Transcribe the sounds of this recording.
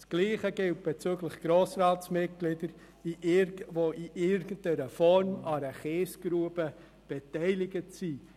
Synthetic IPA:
sɡ̥liːχəɡ̥ɪlt̚b̥ɛt͡syːɡlɪχɡ̥ɾoːsɾɑːtsmɪt̚ɡ̥lɪdəɾ | iʔɪɾvoʔiʔɪɾɡ̥ən̩tɛɾəfɔɾmɑɾəχeːsɡ̥ɾuːəbə | b̥ɛtɛɪlɪɡəsiː

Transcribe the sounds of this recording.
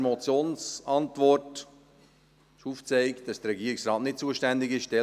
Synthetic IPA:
mɔt͡sjoːnsɑntʋɔrt | ɪʃuːft͡sɛɪktd̥ɑsd̥ərɾɛɡiəɾɪksɾɑːtnɪt̚t͡suəʃtændɪɡɪʃʃtɛ

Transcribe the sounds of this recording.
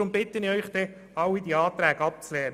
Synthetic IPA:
ʊmbɪt̪ːənɪœʏχd̥̪ɛ | ɑwːid̥̪iːɑːt̪ɾɛːɡ̥ɑp̚t͡slɛː

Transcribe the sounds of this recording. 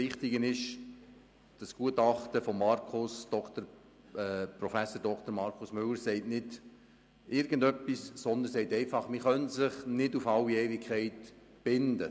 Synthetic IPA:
ɪχtɪɡənɪʃ | d̥ɑsɡ̥uətɑχtəfɔmːɑrkʰʊsd̥ɔkt̪əɾ | ɛprɔfæsoəɾdɔkt̪əɾmɑɾkʰʊsmʏlːəɾsɛɪtnɪd̥ | ʔɪɾɡəndœpːissɔnd̪ənsɛɪtɛɪfɑχmɪχœnsɪχnɪdufɑlːieːvɪkʰːɛɪt | b̥ɪndə

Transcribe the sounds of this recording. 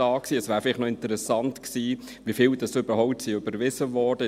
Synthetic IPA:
ɑːksiːəsvæːɾfɪlɪχnɔɪntəɾɛsɑntksiː | ʋifɪːldɑsʏb̥əɾhɔʊp̚tsiːøbəɾvɪzəvɔrd̥ə

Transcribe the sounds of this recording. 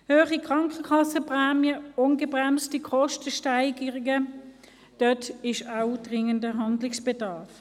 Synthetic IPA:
høːχikʁ̥ɑŋkəkʰɑsəpʁɛːmjəʊnɡəbʁɛmstikʰɔʃtəʃtaɪɡəʁɪɡə | d̥œtɪʃaʊd̥ʁɪŋəndəɦɑndlɪksb̥ɛdɑːɐf

